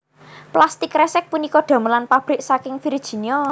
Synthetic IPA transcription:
plast̪ɪkrɛsɛk̚punikɔɖ̪̥ä̤məlanpab̥ɾɪʔsakɪŋfiɾid̥ʒ̥i̤niɔ

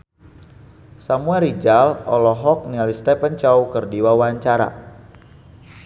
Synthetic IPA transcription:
samuɛlid͡ʒalɔlɔɦɔk̚nialist̪ɛpənt͡ʃawkərdiwawaɲt͡ʃaɾa̰

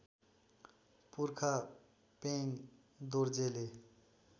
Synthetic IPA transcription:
puɾkʰa | peŋ | d̪oɾd͡zele

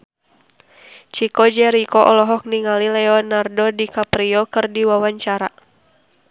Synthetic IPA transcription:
t͡ʃikɔd͡ʒɛɾikɔʔɔlɔɦɔk̚niŋalilɛɔnardɔdikapɾiɔkɨrdiwawaɲt͡ʃaɾa

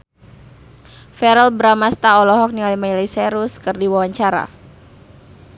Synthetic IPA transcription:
fɛɾɛlbəɾamast̪aɔlɔɦɔk̚nialimailisɛɾuskɨrdiwawaɲt͡ʃaɾa̰

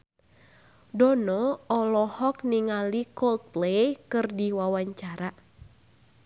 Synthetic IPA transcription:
dɔnɔɔlɔhɔkniŋalikɔlt̪̚plejkɨrdiwawaɲt͡ʃaɾa

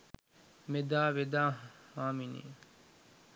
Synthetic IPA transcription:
med̪aːʋed̪aːhaːminḭː

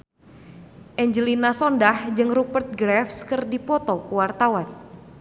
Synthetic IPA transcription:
ʔɛɲd͡ʒəlinasɔndahd͡ʒɨŋrupərt̪̚ɡɾɛfskɨrdipɔt̪ɔkuwart̪awan

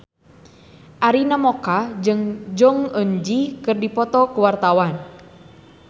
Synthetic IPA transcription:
ʔaɾinamɔkad͡ʒɨŋd͡ʒɔŋəɲd͡ʒikɨrdipɔt̪ɔkuwart̪awan

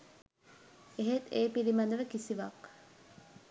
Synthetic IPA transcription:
eɦet̪eːpilimɐnd̪əʋəkisiʋɐk

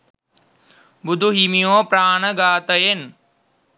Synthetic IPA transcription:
bʊd̪ʱuɦimijõːpɾaːɳəɡaːt̪əjen

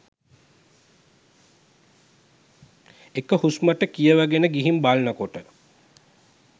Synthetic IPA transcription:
ekəhusməʈəkijəʋæɡenəɡiɦimbalnəkoʈə

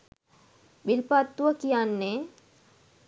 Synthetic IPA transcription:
bilpat̪ːuʋəkijanːe

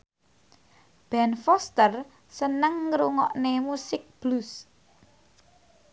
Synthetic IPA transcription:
b̥ɛnfɔst̪ər | sənəŋːɾuŋɔʔnemusɪk̚b̥lus

